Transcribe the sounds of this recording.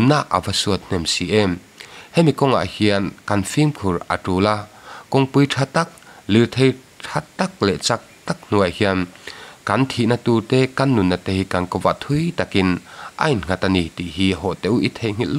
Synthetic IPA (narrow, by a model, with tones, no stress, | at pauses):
nːa˧ʔʔa̰˨va˧su˧ət̪̚n̥ɛ˨msi˨ʔɛ˦m | hɛ˦˨mi˨kɔ˦˧ŋa̰˨ʔhi˧ɐ˧nkɐ˧nfi˦mkʰu˨rɐ̰˨tuː˧la˧kɔ˧ŋpu˧˦jtʰa˧t̪a˦k̚li˨lt̪ʰe˧j | ʈʰa˧t̪a˦k̚lɛ˨ʔt͡sa˧k̚t̪a˦k̚n̥u˨a˨hi˧a˧nkɐ˨˦nt̪ʰi˨ʔna˧t̪u˧t̪ɛ˦kɐ˧˦nːu˨nːa˧˨t̪e˧i˧kɐ˨nkɔ˧va˨ʔt̪ʰu˦jt̪a˨ki˧nʔɐ̰˨jnŋ̥a˧˨t̪a˧ni˧˩t̪i˨ʔɦi˦ɦɔ˨ʔt̪ɛ˧˨ʔu˦ʔi˦t̪ʰe˧˨jŋ̥i˦ll